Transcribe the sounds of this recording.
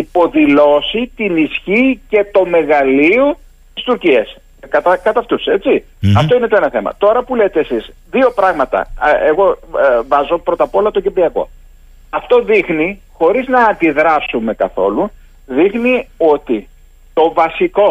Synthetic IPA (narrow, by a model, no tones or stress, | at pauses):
ipo̞ðilo̞sit̪inisçice̞t̪o̞me̞ɣɐlio | t̪ist̪uɾciɐs | kɐt̪ɐkɐt̪ɐft̪use̞t͡si | ɐft̪o̞ine̞t̪o̞e̞nɐθe̞mɐ̰t̪o̞ɾɐpule̞t̪eːsisðio̞pɾɐɣmɐt̪ɐ̰eɣo̞vɐzo̞pɾo̞t̪ɐpo̞lɐt̪ocipiɐko̞̰ | ɐft̪o̞ðixni | xo̞ɾiznɐːnd̪iðɾɐsume̞kɐθo̞̰lu | ðixnio̞t̪i | t̪o̞vɐsiko̞